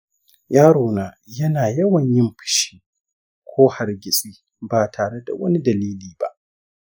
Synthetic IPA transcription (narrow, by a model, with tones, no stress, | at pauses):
jaː˦ɽoː˨naː˨ | jɐ˦naː˨jɐ˦wɐ˨ɲjɪ˦mɸɪ̥˦ʃi̥˦ | kʷʰoː˦ha˨rɡʲɪ˨sʼiː˦ | baː˨tʰaː˨ɽe˦da̰˨wɐ˦ni˦dɐ˨liː˦liː˨ba̰˦ʔ